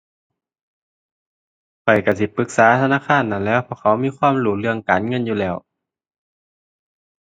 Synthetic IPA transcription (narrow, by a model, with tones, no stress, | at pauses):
kʰɔ˨˩jka˧˩s̬i˧˩pɯ˧˦˩k̚saː˨˦t̪ʰa˧naː˧˥˨xʰaː˧˥˨nːa˧˩˨nlɛː˧˥wpʰɔː˧˩˨kʰa˧˦wmiː˧˥˨kʰwaː˧˥˨mluː˧˩lɯ˧˩əŋkaː˨nŋɤ˧˥˨njuː˧˨lɛː˧˩w